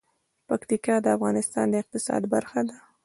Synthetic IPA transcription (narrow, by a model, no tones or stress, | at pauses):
pakt̪ikɑd̪əafɣɑnɪst̪ɑ̰nd̪əɪq̚t̪ɪsɑ̰d̪baɾxad̪a